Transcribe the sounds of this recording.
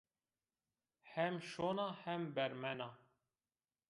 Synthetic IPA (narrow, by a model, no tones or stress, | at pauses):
hɛmʃoːnɑːhɛmbɛɾmɛnɑː